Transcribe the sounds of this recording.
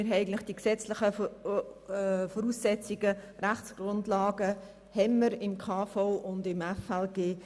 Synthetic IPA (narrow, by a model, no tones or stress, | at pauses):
ɪɾɦɛɪɡən̩tlɪχd̥iksɛt͡slɪχə | fɔɾusːɛt͡siɡəræχt͡ssɡ̥ɾʁʊndlaːɡə | hɛnːəɾɪmkʰaːfɔʊʊndɪmɛfɛlɡ̥eː